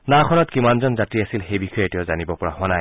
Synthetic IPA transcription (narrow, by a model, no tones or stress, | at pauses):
nakʰɔnɔtkimanzɔnzatiasilxejbixɔjetijɔzanibɔpɔɹa̰ɦʊ̃anaj